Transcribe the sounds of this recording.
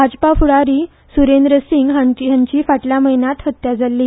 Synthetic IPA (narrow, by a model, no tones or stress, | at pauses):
bʱad͡ʑpafuɽaɾiː | suɾend̪ɾəsiŋɡɦajãɲt͡ɕiːfaʈljaməjinat̪ɦət̪ːjad͡zʱalːiː